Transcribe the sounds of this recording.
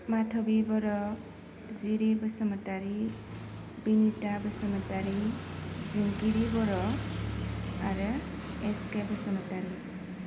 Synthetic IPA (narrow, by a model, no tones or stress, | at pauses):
matʰɔbibɔɾɔ | ziɾibɯsɔmataɾi | binitabəsəmataɾizinkiɾibɔɾɔ | aɾɯ | eskebəsɔmataɾi